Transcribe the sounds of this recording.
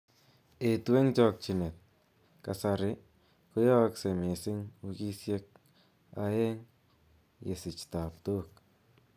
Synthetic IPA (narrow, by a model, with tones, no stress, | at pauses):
e˨twe˦ŋt͡ʃɔ˨k̚t͡ʃi˨ne˨t̪̚ | ka˨sa˨ɾɪ˦ | kʊ˦jɔ˦kse˨me˨sɪ˦ŋu˧ki˦sje˧k̚ | a̰˧e˦ŋ | jḛ˨sɪ˨t͡ʃta˨p̚t̪o˦k̚